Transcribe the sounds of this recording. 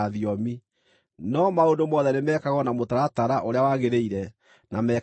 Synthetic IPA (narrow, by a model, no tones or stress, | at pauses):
aðiɔmi | nɔmaondomɔðɛnemɛːkaɣɔnamotaɾataɾaʔoɾeawaɣeɾeiɾɛ | namɛ